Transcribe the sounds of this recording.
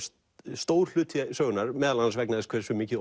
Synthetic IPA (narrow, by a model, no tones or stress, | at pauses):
st̪oːwɾ̥l̥ʏːt̪ʰsœːɣʏnaɾ̥mɛːðalansvɛknaðɪskʰvɛːɾ̥svʏmɪːcɪ